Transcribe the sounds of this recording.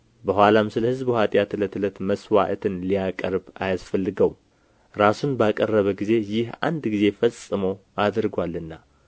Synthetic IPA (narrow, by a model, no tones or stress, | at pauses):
bəɦwʷalamsɨləhɨzbhat̪ʼjat̪ʰɨlət̪ɨlət̪məswa̰ʔt̪ʰɨnlijakʼəɾba̰jasfəlːɨɡəw | ɾasunbakʼərːəβəɡize̞jɪha̰nd̪ɡize̞fəsʼːɨmoad̪ɨɾɡʷalːɨnːa